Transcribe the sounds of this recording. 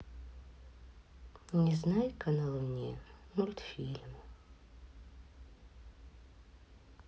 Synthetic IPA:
nʲɪznajkʰɐnalˠunʲːimulʲt̪fʲilʲm

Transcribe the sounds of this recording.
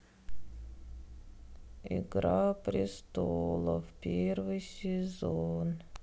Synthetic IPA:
ɪ̰ɡɾapɾʲɪst̪olˠə̰fpʲervɨjsʲɪzon

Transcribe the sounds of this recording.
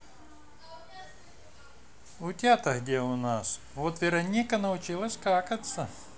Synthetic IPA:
ʊtʲat̪əɣdʲeʊnas | vot̪vʲɪɾɐnʲikənəʊt͡ɕilˠəsʲkakət̪sə

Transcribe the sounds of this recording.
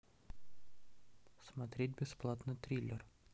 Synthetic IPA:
smat̪ɾʲet̚ʲbʲɪsplˠat̪nɨt̪ʲɾʲilʲer

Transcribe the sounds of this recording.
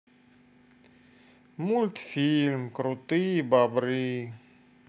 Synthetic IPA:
mult̪filmkɾut̪ibabɾi

